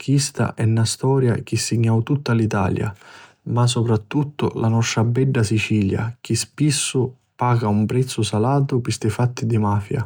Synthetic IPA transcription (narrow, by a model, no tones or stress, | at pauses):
kʰist̪a̰ʔɛnːast̪ɔːɾja̰k̟isːiɲːawt̪ut̪ːalit̪a̰ːlja̰ | mas̬ːɔpɾat̪ːut̪ːʊ̰lanɔʃɾabːɛɖːasit͡ʃiːlja̰k̟ispisːʊ | paːɡaumpɾɛt̪sːʊsalaːt̪ʊpɪst̪ɪfat̪ːid̪imaːfja̰